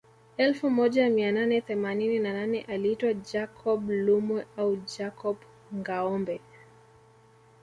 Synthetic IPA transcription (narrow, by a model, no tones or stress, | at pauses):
ɛlfumɔʄamiananɛθɛmanininananɛʔaliitwad͡ʒakʰɔɓlumwɛaud͡ʒakɔɓ | ŋɡaɔmbɛ